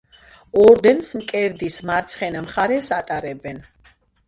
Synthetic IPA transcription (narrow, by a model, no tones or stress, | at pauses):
ɔɾd̪ɛnsmkʼɛɾd̪ismaɾt̪sʰχɛnamχaɾɛsat̪ʼaɾɛbɛn